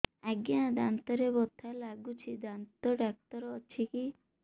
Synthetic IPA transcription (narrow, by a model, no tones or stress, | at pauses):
aɡjãd̪ant̪ɔɾebɔt̪ʰalaɡut͡ʃʰid̪ant̪ɔɖak̚t̪ɔɾɔt͡ʃʰiki